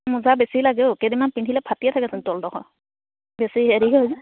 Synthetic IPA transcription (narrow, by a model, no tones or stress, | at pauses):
muzabesilaɡɛʊkedimanpintʰilɛpʰatijɛtʰakɛsɛntɔldɔxɔ̰ | besiɦeɾiɦɛozɛ